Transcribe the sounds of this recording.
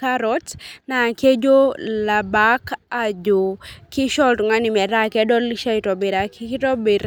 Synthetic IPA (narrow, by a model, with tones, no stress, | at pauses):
ka˦ɾɔ˦tna˨ke˦d͡ʒo˦la˨ba˦ka˨d͡ʒo˨ki˦ʃɔ˦ltŋa˦ni˨mɛ˨ɾa˦kɛ˦dɔ˦liʃa˦itɔ˨be˨ɾa˨ki˦ki˦tɔ˦be˨ɾ